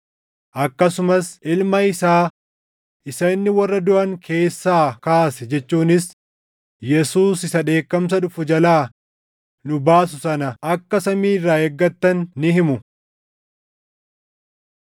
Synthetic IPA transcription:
ʔɐkːɐsʊmɐsɪlmɐɪsaː | ʔɪsɐnːɪwɐrːɐd̪ʊʔɐŋkʰe̞ːsːaːkaːsɛd͡ʒɛt͡ʃːuːnɪs | jɛsuːsɪsɐᶑe̞ːkːɐms̬ɐᶑʊfʊd͡ʒɐlaː | nʊbaːs̬ʊsɐnɐʔɐkːɐsɐmiːrːaːɛɡːɐt̪ːɐnːɪhɪmʊ

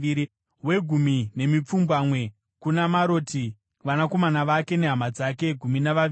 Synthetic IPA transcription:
we̞ɡʱumine̞mip͡fumbwamwe̞ | kunamaɾoti | ʋanako̞manaʋake̞neɦamad͡zake̞ɡʱuminaʋai

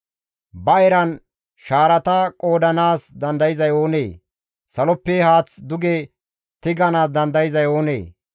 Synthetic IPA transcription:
bɐɛɾɐn | ʃaːɾɐt̪ɐkʼo̞ːd̪ɐnaːsd̪ɐnd̪ɐjɪzɐjo̞ːnḛː | sɐlɔpːehaːt͡sd̪ʊɡe | t̪ɪɡɐnaːs̬d̪ɐnd̪ɐjɪzɐjo̞ːnḛː

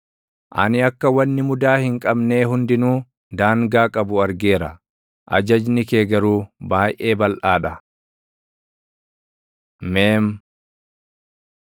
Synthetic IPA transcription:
ʔɐ̰nɪɐkːɐwɐnːɪmʊd̪aːhɪŋkʼɐbne̞ːɦʊnd̪ɪnuː | d̪aːŋɡaːkʼɐbʊɐɾɡe̞ːɾɐ | ʔɐ̰d͡ʒɐd͡ʒnɪkeːɡɐɾuːbaːjʔe̞ːbɐlʔaːᶑɐ | meːm

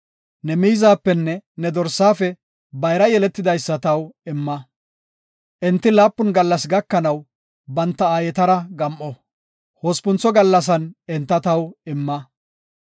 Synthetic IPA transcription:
nɛmijzaːpːɛnːɛnɛd̪ɔɾsːaːfɛ | bɐjɾɐjɛlɛt̪ːɪd̪ɐjsːɐt̪ɐwɪmːɐ | ʔɪnt̪ːɪlaːpːʊnɡɐlːɐsɡɐkːɐnɐw | bɐnt̪ːɐaːjɛt̪ɐɾɐɡɐmʔɔ | hoːspʊnt͡sɔɡɐlːɐs̬ɐnɛnt̪ːɐt̪ɐwɪmːɐ

